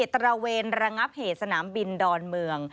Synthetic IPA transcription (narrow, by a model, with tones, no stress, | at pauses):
t̪ːɾa˧weː˧nɾa˧ŋa˦˥p̚heː˨˩t̪̚sa˧naː˩˦mbi˧ndɔː˧nmɯ˧əŋ